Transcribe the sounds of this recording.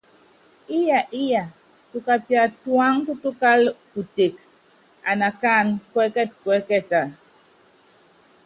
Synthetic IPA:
ɪ˦ja˨ʔɪ˦ja˨ | tu˦ka˦pja˨twa˦ŋtu˦tu˦ka˦lku˨te˨k | a˨na˨ka˦nkwɛ˦kɛ˦tkwɛ˦kɛ˦ta˨

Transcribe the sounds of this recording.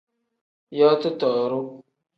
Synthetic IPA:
jɔ˦tʊ˦tɔ˨ɾʊ˦

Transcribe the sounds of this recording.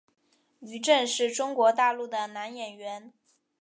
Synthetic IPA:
y˧˥ʈ͡ʂə˥˧nʂɻ̩˥˩ʈ͡ʂʊ˥ŋkwɔ˧˥t̪a˥˧lu˥˩d̪ə˩na˧˥njɛ˨˩nɥɛ˧˥n

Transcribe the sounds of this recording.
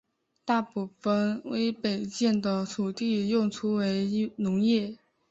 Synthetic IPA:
t̪a˥˧pu˥˩fə˧˩nwe˧˥ɪpe˨˩ɪt͡ɕjɛ˥˩nd̪ə˩t̪ʰu˨˩t̪i˥˧jʊ˥˩ŋʈ͡ʂʰu˥we˧˥ɪnʊ˧˥ŋjɛ˥˩

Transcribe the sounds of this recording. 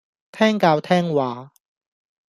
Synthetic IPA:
t̪ʰɛː˥ŋkaː˧wt̪ʰɛː˥ŋwaː˨˧˦

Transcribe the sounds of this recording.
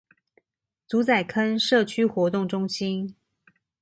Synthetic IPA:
t͡su˧˥t͡sa˨˩ɪkʰə˥nʂɤ˥˩t͡ɕʰy˥xwɔ˧˥t̪ʊ˥˩ŋʈ͡ʂʊ˥ŋɕi˥n

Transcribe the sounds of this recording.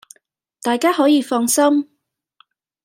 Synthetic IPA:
t̪aː˨jkaː˥ɦɔː˨˥jiː˨˧fɔː˧ŋsɐ˥m

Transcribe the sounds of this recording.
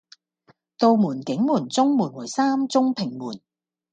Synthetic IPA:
t̪o˨˧wmuː˨˩nkɪ˨˥ŋmuː˨˩nt͡sʊ˥ŋmuː˨˩nwuː˨˩jsaː˥mt͡sʊ˥ŋpʰɪ˨˩ŋmuː˨˩n

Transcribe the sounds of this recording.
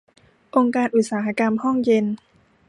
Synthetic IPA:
ʔo˧ŋkaː˧nʔu˨˩t̪̚saː˩˦ɦa˧ka˧mhɔ˥˩ŋje˧n

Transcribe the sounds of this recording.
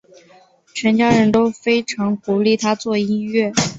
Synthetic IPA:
t͡ɕʰɥɛ˧˥nt͡ɕjɑ˥ɻə˧˥nt̪o˥ʊfe˥ɪʈ͡ʂʰɑ˧˥ŋku˧˥li˥˩t̪ʰa˥t͡swɔ˥˩i˥nɥɛ˥˩

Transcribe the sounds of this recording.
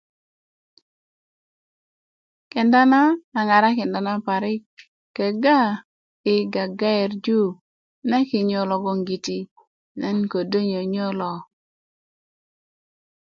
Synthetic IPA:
kɛ˨nda˦naː˦˨ŋa˨ɾa˦kɪ˨nda˨na˦pa˨ɾɪ˦k | kːɛ˨ɡa˦ | ɪ˨ɡa˨ɡa˦ɛ˨ɾd͡ʒu˦ | na˦kɪ˨ɲɔ˨lɔ˨ɡɔ˨ŋɡi˨ti˦ | nɛ˦nko˨do˦ɲo˨ɲɔ˦lɔ˨

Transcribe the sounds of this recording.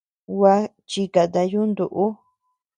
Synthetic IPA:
wʷa˧ | t͡ʃi˧ka˨t̪a˧ju˦nd̪u˨˧ʔu˦

